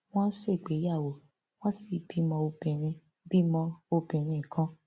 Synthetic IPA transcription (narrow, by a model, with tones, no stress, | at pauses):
w̃ɔ̃˦se˦˨k͡pe˨˦ja˦˨wo˨ | w̃ɔ̃˦si˦˨bi˨˦mɔ̃˧o˧bĩ˨ɾ̃ĩ˧ | bi˦mɔ̃˧o˧bĩ˨ɾ̃ĩ˧˨kã˦